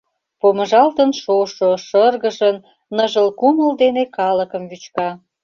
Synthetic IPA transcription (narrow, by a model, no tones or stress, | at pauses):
poməʒɑlt̪ənʃoʃoʃərɣəʒən | nːəʒəlkuməld̪enekɑləkəmβyt͡ɕkɑ